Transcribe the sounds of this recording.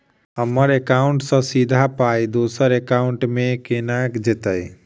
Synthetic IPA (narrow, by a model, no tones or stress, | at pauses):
əməɾekaʊɳʈsə̃sid̪ʱapajd̪osəɾekaʊɳʈmẽkenakd͡ʒet̪əj